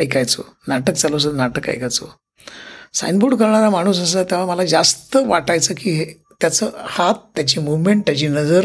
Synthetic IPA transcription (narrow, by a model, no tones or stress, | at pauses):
ajkajt͡so̰ | naʈək̚t͡salos̬əd̪naʈəka̰jkajt͡so | sa̰jnbuːɽkəɾɳaɾamaɽ̃uːs̬əs̬ət̪jaʋ̤aməlad͡zast̪əʋaʈajt͡səːkiːɦe | t̪jat͡səːhat̪̚t̪ːjat͡ɕiːmuʋmeɳʈ̚t̪jat͡ɕiːnəd͡zəɾ